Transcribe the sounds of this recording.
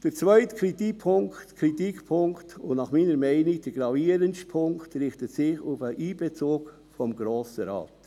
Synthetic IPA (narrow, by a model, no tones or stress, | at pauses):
d̥əɾt͡sʋœʏtkʰɾit̪ipʰʊŋktkʰɾitikpʰʊŋktʊnnɑχmiːnəɾmɛɪnid̥əɾɡɾɑviːəɾənʃpʰʊŋktɾɪχtətsɪχʊfəʔiːb̥ɛt͡soːk | fɔmɡɾoːsəɾɑ̰ːt